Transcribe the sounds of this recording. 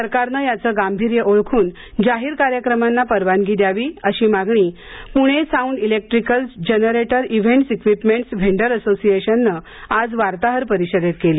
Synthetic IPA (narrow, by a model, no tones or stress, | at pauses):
səɾkaɾnəjat͡səːɡambʱiɾjəʔoɭkʰuːn | d͡ʑaɦiːɾkaɾjəkɾəmanːapəɾʋanɡiːd̪jaʋiːəɕiːmaɡɳiː | puɽ̃esauɳɖilek̚ʈɾikəlsd͡ʑenəɾeʈəɾiʋ̤eɳʈsikʋipmeɳʈsʋʱeɳɖəɾəsosijeɕənːə | ad͡zʋaɾt̪aɦəɾpəɾiɕəɾet̪keliː